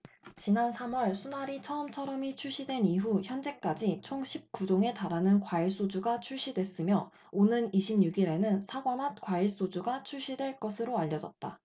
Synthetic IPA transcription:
t͡ɕinansʰamwʌɭsʰunaɾit͡ɕʰʌɯmt͡ɕʰʌɾʌmit͡ɕʰuɭɕ͈idwe̞niɦuçjʌnd͡ʑe̞k͈ad͡ʑit͡ɕʰoŋɕʰip̚k͈ud͡ʑoŋe̞taɾanɯnkwaiɭs͈od͡ʑuɡat͡ɕʰuɭɕ͈idwe̞s͈ɯmjʌ | onɯniɕʰimɲuɡiɾe̞nɯnsʰaɡwamat̚k͈waiɭs͈od͡ʑuɡat͡ɕʰuɭɕ͈idwe̞ɭk͈ʌsʰɯɾoaʎːʌd͡ʑʌ̰t̚t͈a̰

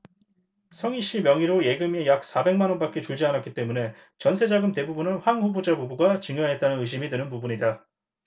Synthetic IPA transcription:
sʰʌŋiɕ͈imjʌŋiɾoje̞ɡɯmejak̚s͈abe̞ŋmanʌnbak͈e̞t͡ɕuɭd͡ʑianatk͈it͈e̞mune̞ | t͡ɕʌnsʰe̞d͡ʑaɡɯmte̞bubunɯnɸwaŋɸubud͡ʑabubuɡat͡ɕɯŋjʌɦe̞t͈̚anɯnɯɕ̬ʰimidwɯnɯnpubuɲida

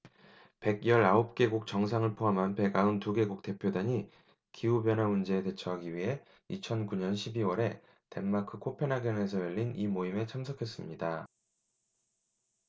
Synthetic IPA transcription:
pe̞ɡjʌɾaop̚k͈e̞ɡuk̚t͡ɕʌŋsʰaŋɯɭpʰoɦamɦanpe̞ɡaɯntuɡe̞ɡuk̚te̞pʰjodaɲi | kiubjʌnɦamund͡ʑe̞ːde̞t͡ɕʰʌɦaɡiɥiɦe̞ | it͡ɕʰʌnkuɲʌnɕʰibiwʌɾe̞ | te̞mːakʰɯkʰopʰe̞naɡjʌne̞s̬ʰʌjʌʎːinimoime̞t͡ɕʰamsʰʌkʰe̞s͈ɯmɲida

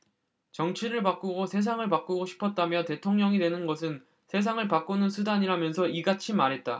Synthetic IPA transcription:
t͡ɕʌŋt͡ɕʰiɾɯɭpak͈uɡosʰe̞s̬ʰaŋɯɭpak͈uɡoɕʰi̥pʰʌt̚t͈amjʌte̞tʰoŋɲʌŋidwe̞nɯnɡʌsʰɯn | sʰe̞s̬ʰaŋɯɭpak͈unɯnsʰudaɲiɾamjʌnsʰʌiɡat͡ɕʰimaɾɦe̞t̚t͈a̰

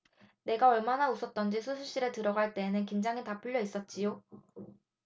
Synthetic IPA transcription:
ne̞ɡaʌɭmanaus͈ʰʌt̚t͈ʌnd͡ʑisʰusʰuɕ͈iɾe̞tɯɾʌɡaɭt͈e̞ːnɯnkind͡ʑaŋitapʰuʎːjʌis͈ʌt̚t͡ɕ͈ijo

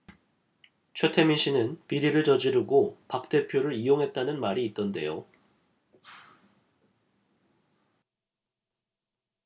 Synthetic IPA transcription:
t͡ɕʰwe̞tʰe̞miɕ͈ʰinɯnpiɾiɾɯɭt͡ɕʌd͡ʑiɾɯɡopak̚t͈e̞pʰjoɾɯɾijoŋɦe̞t̚t͈anɯnmaɾiːt̚t͈ʌnde̞̰jo

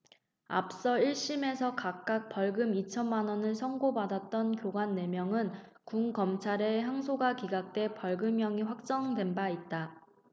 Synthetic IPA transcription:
a̰p̚s͈ʌiɭɕ͈ime̞sʰʌkak̚k͈ak̚p͈ʌɭɡɯmit͡ɕʰʌnmanʌnɯɭsʰʌŋɡobadat̚t͈ʌnkjoɡanːe̞mjʌŋɯn | kuŋkʌmt͡ɕʰaɾeçjaŋsʰoɡakiɡak̚t͈we̞pʌɭɡɯmjʌŋiɸwak̚t͡ɕ͈ʌŋdwe̞nbait̚t͈a

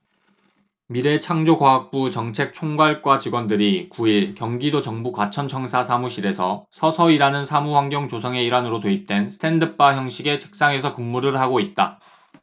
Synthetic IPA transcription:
miɾe̞t͡ɕʰaŋd͡ʑokwaɦak̚p͈ut͡ɕʌŋt͡ɕʰe̞k̚t͡ɕʰoŋɡwaɭk͈wat͡ɕiɡwʌndɯɾikuiɭkjʌŋɡidot͡ɕʌŋbukwat͡ɕʰʌnt͡ɕʰʌŋsʰasʰamuɕʰiɾe̞sʰʌsʰʌsʰʌiɾanɯnsʰamuɸwaŋɡjoŋt͡ɕosʰʌŋe̞iɾanɯɾotoip̚t͈we̞nsʰɯ̥tʰe̞ndɯp͈ajʌŋɕʰiɡe̞t͡ɕʰe̥k̚s͈aŋe̞sʰʌkummuɾɯɭhaɡoit̚t͈a̰

